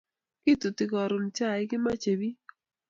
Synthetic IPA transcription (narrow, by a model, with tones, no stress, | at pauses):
ki˦tu˨ti˨kɔ˨ɾʊ˨mt͡ʃa˦˨ɪ˦kɪ˦ma˦t͡ʃe˨bi˦